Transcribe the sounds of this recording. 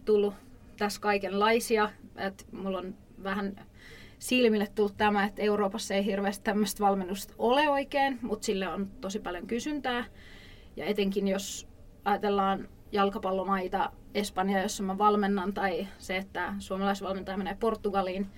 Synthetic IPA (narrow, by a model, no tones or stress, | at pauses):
t̪ulːu | t̪æskɑikenlɑisiɑet̪mulːon | ʋæhæn | silmilːet̪t̪ulːt̪t̪æmæet̪ːeuroːpɑsːeiɦirʋeːst̪t̪æmːøst̪ʋɑlmenːust̪oleoikeːnmut̪silːeont̪osipɑljoŋkysynt̪æː | jɑ̰et̪eŋkinjos | ɑjɑt̪elːɑːn | jɑlkɑpɑlːomɑit̪ɑ | espɑnjɑjosːɑmɑʋɑlmenːɑnt̪ɑiseet̪ːæsuomɑlɑisʋɑlment̪ɑjɑmeneːport̪ːuɡ̥ɑliːn